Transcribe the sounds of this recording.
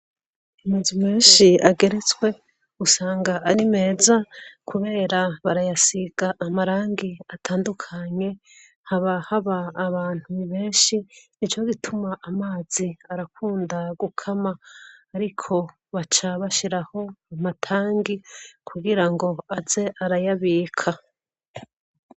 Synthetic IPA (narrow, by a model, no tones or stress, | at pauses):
imezimeːnʃiaɡe̞ɾe̞t͡swe̞ | usaːŋɡaʔːɾime̞ːzakʰuβe̞ːɾaβaɾajasiɡ̥aʔːmaɾaːŋɡiatʰaːndukʰaɲe̞ | haβahaβaːβaːn̥huβiβe̞ːnʃinit͡ʃo̞ɡitʰumaʔamaːz̥iaɾakuːndaɡukʰamaːɾikʰo̞ | βat͡ʃaβaʃiɾaho̞amatʰaːŋɡikʰuɡiɾaŋɡo̞az̥e̞ʔaɾajaβiːkʰa